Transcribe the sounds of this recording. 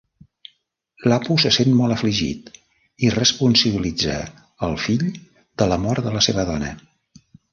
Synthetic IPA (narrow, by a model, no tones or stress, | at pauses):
lapusəsenmɔlˠəfliʒḭt̪ | irəspunsəβilid͡zə̰ | əlˠfiʎ | d̪̥ələmɔɾt̪d̪ələseβəðɔnə̰